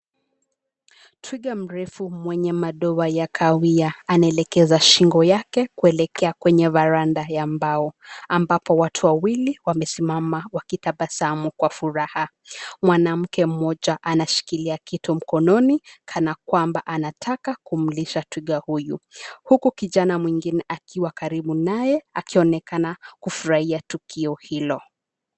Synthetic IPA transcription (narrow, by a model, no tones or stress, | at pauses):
tʰwiɠam̩ɾɛfumwɛɲɛmaɗɔwajakʰawiaanaɛlɛkɛzaʃiŋɡɔjakɛkuɛlɛkʰɛakwɛɲɛvaɾandajambaɔambapɔwatʰuwawiliwamɛsimamawakitaɓasaamukwafuɾaha | mwanam̩kɛm̩mɔʄaʔanaʃi̥kiliakitɔm̩kɔnɔnikʰanakwambaʔanatʰakakum̩liʃatwiɠahujuhukukiʄanamwiŋɡinɛʔakiwakaɾiɓunajɛakiɔnɛkanakufuɾahiatukʰiɔhilɔ